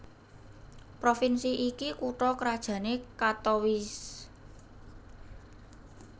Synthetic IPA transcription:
pɾofinsiʔikikuʈɾɔkəɾad̥ʒ̥ä̤nekat̪owis

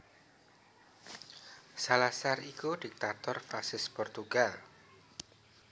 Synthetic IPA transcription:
salasarikuɖ̥ik̚t̪at̪ɔrfasɪspɔrt̪uɡ̥al

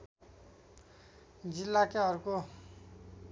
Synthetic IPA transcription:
d͡zilːakeʌɾuko

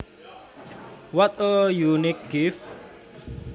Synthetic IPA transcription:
wɔt̪̚ojunɪk̚ɡ̥ɪf

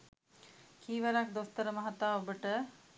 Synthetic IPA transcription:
kʰiːʋaɾak̚d̪ost̪əɾəmɐɦɐt̪ːaːobəʈə

